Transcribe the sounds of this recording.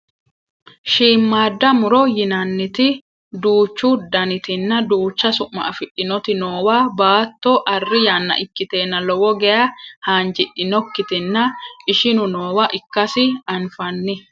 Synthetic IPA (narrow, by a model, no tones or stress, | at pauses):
ʃiːmːaːd̪ːɐmʊɾɔjɪnɐnːɪt̪ɪ | d̪uːt͡ʃːuːd̪ɐnɪt̪ɪnːɐd̪uːt͡ʃːɐsʊʔːɐ̰ʔɐfɪᶑːɪnɔt̪ɪnoːwaːbaːt̪ːɔʔɐrːɪjanːɐ̰ʔɪkːɪt̪e̞ːnːɐlɔwɔɡɛjɐhaːnd͡ʒɪᶑːɪnɔkːɪt̪ɪnːɐʔɪʃɪnʊno̞ːwaʔɪkːɐsɪɐnfɐnːɪ